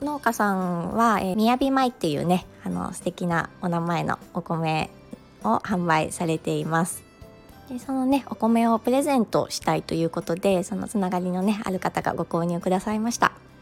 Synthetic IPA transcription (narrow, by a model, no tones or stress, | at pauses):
no̞ːkasãɰ̃βaemʲiabʲimait̪ːe̞jɯ̟̰ːne̞ano̰sɨ̥t̪e̞kʲina̰onamae̞no̰oko̞me̞ | o̞hãmbaḭsaɾe̞t̪e̞imasɨ̥ | d̪̥e̞so̞no̞ne̞o̞ko̞me̞o̞pɯ̟ɾe̞zẽ̞nt̪o̞̰ɕi̥t̪ait̪o̞jɯ̟ːko̞t̪o̞d̪e̞so̞no̞̰t͡sɨnaɡaɾʲino̞ne̞a̰ɾɯ̟kat̪aɡa̰ɡo̞ko̞ːɲ̟ɯ̟ːkɯ̟d̪asaimaɕi̥t̪a̰